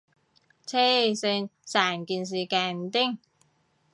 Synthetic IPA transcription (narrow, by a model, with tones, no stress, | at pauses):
t͡sʰe˥se˧nsaː˨˩nki˧˩ns̬i˨˩kaː˧˩nt̪i˥ŋ